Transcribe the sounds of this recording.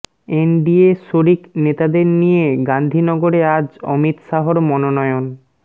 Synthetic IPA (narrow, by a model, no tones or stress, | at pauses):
enɖieʃoɾiknet̪ad̪eɾnijeɡand̪ʱinɔɡoɾead͡ʑɔ̰mit̪ʃaɦoɾmɔnonɔeon